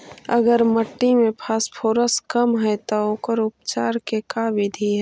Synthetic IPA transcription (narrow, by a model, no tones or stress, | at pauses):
əɡəɾməʈːimẽpʰaːspʰoːɾəskəmɦɛt̪ookəɾʊpt͡ʃaːɾkekaːʋɪd̪ʱiɦɛ